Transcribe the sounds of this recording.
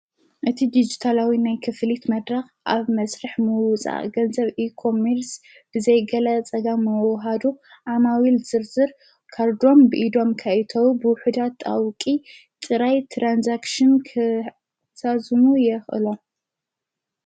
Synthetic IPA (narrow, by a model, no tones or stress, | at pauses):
ʔɨt̪ʰid̪id͡ʒit̪ʰalawinajkʰɨflit̪mɐd̪ɾɐxʔaβmɐsɾɐħmɨwt͡sʼa̰ʔɡɐnzɐβikʰo̞meɾs | b̥ɨzɐjɡɐlɐt͡sʼɐɡamːɨwɦad̪u | ʔamawilzɨɾzɨɾ | kʰaɾd̪o̞mbɨʔid̪o̞mkʰɐʔt̪ʰɐwbɨwʊħud̪at̪ʼːa̰wkʼi | t̪ʼɨɾajt̪ʰɾanzakʃɨnkʰɨ | sazmujɛxʔɨ̰lo